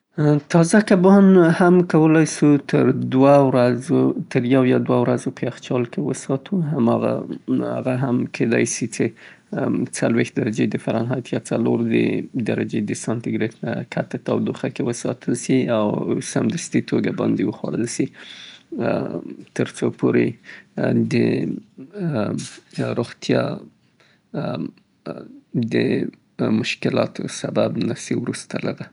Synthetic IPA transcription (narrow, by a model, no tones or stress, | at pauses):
t̪ɑzakabɑnhamkawəlɑjsut̪ʰəɾd̪wawɾazot̪ʰəɾjawjɑd̪wawɾazopəaxt͡ʃɑlkewəsɑt̪ʰuɦamɑɣa̰a̰ɣaɦamkʰed̪ɑ̰jsit͡ʃe | t͡salwext̪̚d̪aɾad͡ʒed̪əfaɾɑnɦɑjt̪ʰjɑt͡saloɾd̪ə̰d̪aɾad͡ʒed̪əsɑnt̪ɪɡɾet̪na̰kʰat̪ət̪awd̪oxakewəsɑt̪ʰəlsiawsamd̪ast̪it̪ʰoɡabɑnd̪ewəxwaɽəlsi | t̪əɾt͡sopʰoɾe | d̪ə | ɾoɣt̪jɑ | d̪ə | mʊʃkɪlɑt̪ʰo̰sababnasiwɾust̪alaɾa